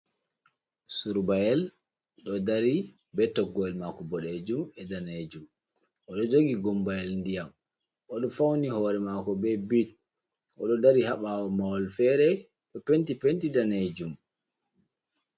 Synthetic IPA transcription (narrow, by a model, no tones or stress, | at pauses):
suɾbajɛl | ɗɔdaɾi | bɛtɔɡɔɛlmakɔbɔɗed͡ʒumɛdaned͡ʒum | ʔɔɗɔd͡ʒoɡiɡɔmbajɛlndijam | ʔɔɗɔfawnihɔːɾɛmaːkɔbɛbit | ʔɔ̰ɗɔdaɾihaɓawɔmawɔlfɛɾɛ | ɗɔpentipentidaned͡ʒum